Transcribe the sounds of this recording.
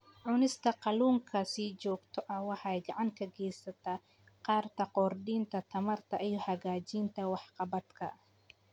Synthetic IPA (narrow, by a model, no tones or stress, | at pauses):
ʕʊnɪst̪ʰɐqɑluːŋkʰɐsiːt͡ʃɔːɡt̪ʰɔʔɐwɑħɑjɡɑʕɑŋkʰɐɡɛjsɐt̪ʰɐ | qɑːrt̪ʰɐqɔːrd̪iːnt̪ʰɐt̪ʰɐmɐrt̪ʰɐʔijɔhɐɣaːt͡ʃiːnt̪ʰɐwɑħqɑbɐd̪kʰɐ